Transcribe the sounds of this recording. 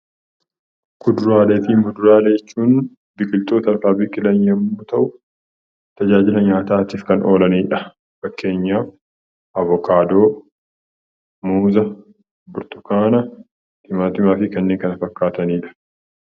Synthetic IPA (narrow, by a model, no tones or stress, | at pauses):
kʊd̪ʊɾaːleːt̪iːmʊd̪ʊɾaːleɛt͡ʃːuːn | bɪkʼɪlt̪ʼoːt̪ɐɾfaːbɪkːɪlɐɲjɐmːuːt̪ɐʔʊ | t̪ɐd͡ʒaːd͡ʒɪlɐɲaːt̪aːt̪ɪfkɐnʔo̞ːlɐniːᶑɐ | fɐkːe̞ːɲːaː | ʔɐvɔkaːd̪o̞ː | muːzɐ | bʊɾt̪ʊ̥kaːnɐ | t̪ɪmaːt̪ɪmaːfɪkɐnːeːŋkɐnɐfɐkːaːt̪ɐniːᶑɐ̥